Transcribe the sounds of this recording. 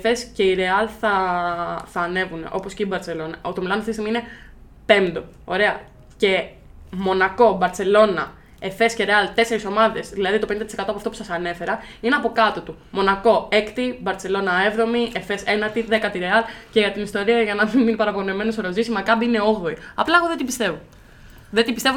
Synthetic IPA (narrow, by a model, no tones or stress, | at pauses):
eθe̞sce̞iɾe̞ɐlθɐ | θɐːne̞vune̞̰ʔo̞po̞sceibɐɾt͡se̞lo̞nɐot̪omilɐnoft̪ist̪imiine̞ | pe̞nd̪o̞ | oɾe̞ɐ | ce̞ | mo̞nɐko̞bɐɾt͡se̞lo̞nɐ | e̞θe̞sceɾeɐlt̪e̞se̞ɾiso̞mɐðe̞zðilɐðit̪openid̪ɐt̪iseɐt̪opɐft̪o̞pu̥sɐsɐne̞fe̞ɾɐineɐpo̞kɐt̪ot̪u | mo̞nɐko̞e̞kt̪ibɐɾt͡se̞lo̞nɐe̞vðo̞miefe̞se̞nɐt̪iðe̞kɐt̪iɾeɐlceʝɐt̪inist̪o̞ɾiɐʝɐnɐmiminipɐɾɐponeme̞nosoɾozisimɐkɐbiine̞o̞ɣðo̞iɐplɐeɣoðe̞t̪ibist̪e̞vo | ðet̪ibist̪e̞vu